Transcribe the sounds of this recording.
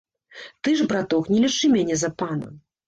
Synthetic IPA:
t̪ɨʐbɾat̪ɔknʲɛlʲit͡ʂɨmʲanʲɛzɐpanɐ̰

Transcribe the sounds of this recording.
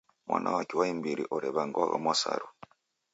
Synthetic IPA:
mwʔanʔawakiwaimbiɾiʔɔɾɛβaŋɡwaɣamwasa̰ɾu

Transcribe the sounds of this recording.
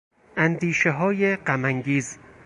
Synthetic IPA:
ʔænd̪iːʃeɦɒːjeɢæmæŋɡiːz

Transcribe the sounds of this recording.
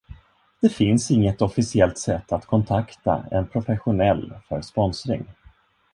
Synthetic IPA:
d̪̥ɛfɪnsɪŋːət̪ɔfɪsɪɛlt̪sɛt̪ːat̪kʰɔnt̪ʰakt̪a̰ɛ̰npʰɾʊfɛɧʊnɛlːfœɾspɔnsɾɪ̰ŋ

